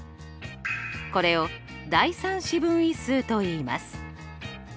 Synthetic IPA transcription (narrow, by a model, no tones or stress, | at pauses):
ko̞ɾe̞o̞ | d̪aisãɰ̃ɕibɯ̟̃ɰ̃isɨːt̪o̞iːma̰sɨ̥